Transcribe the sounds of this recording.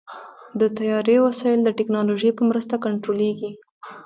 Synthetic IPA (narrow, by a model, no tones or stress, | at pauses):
d̪ət̪ajɑɾewasɑjɪld̪əʈɪknɑloʒəjpəmɾəst̪akaɳʈɾoleɡi